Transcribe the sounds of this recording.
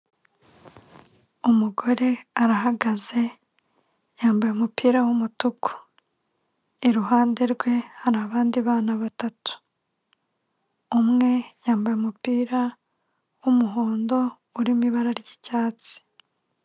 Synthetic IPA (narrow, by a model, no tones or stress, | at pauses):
umuɡo̞ɾe̞aɾaɦaɡaze̞ | jaːmbajumupiːɾawumutuko̥ | iɾuɦaːnde̞ɾɡwe̞haɾaːβaːndiβaːnaβatatu̥ | mŋe̞jaːmbajeumupiːɾa | wumuɦoːndo̞ | uɾimiβaɾaɾɟi̥caːt͡si̥